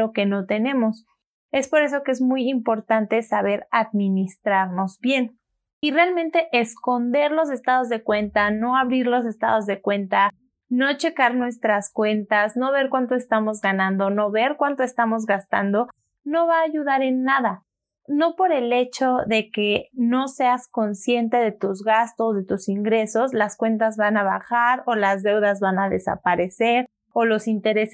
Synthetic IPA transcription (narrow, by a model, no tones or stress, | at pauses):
oke̞no̞t̪e̞nẽ̞mo̞s | e̞spo̞ɾe̞s̬o̞keezmujimpo̞ɾt̪ant̪e̞saβe̞ɾaðmĩnist̪ɾaɾno̞zbje̞n | irealmẽnt̪eʔesko̞nd̪e̞ɾlo̞s̬est̪aðo̞zðe̞kwe̞nt̪ano̞aβɾiɾlo̞s̬e̞st̪a̰ðo̞zðe̞kwe̞nt̪a | no̞t͡ʃe̞kaɾnwe̞st̪ɾaskwe̞nt̪asno̞βe̞ɾkwant̪oest̪amo̞zɣanãnd̪ono̞βe̞ɾkwant̪oest̪amo̞zɣast̪a̰nd̪o̞ | no̞βaːʝuðaɾe̞nːaða | no̞po̞ɾele̞t͡ʃo̞ðe̞ke̞no̞se̞asko̞nsje̞nt̪eðe̞t̪uzɣast̪o̞sðe̞t̪usiŋɡɾe̞so̞slaskwe̞nt̪azβanaβa̰xaɾolazðe̞wðazβanaðe̞sa̰paɾe̞se̞ɾ | olo̞sint̪e̞ɾe̞se